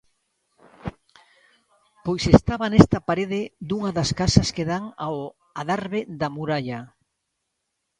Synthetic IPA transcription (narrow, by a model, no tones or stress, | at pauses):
pojsest̪aβɐnest̪ɐpaɾeðɪd̪uŋɐðɐskasɐskeðaŋao | aðaɾβeðɐmuɾaʎɐ